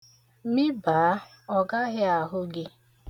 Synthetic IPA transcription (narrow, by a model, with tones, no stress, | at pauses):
mi˦baː˨˦ | ɔ˨ɡa˦ɦɪ˦a˨ɦʊ˦ɡɪ˦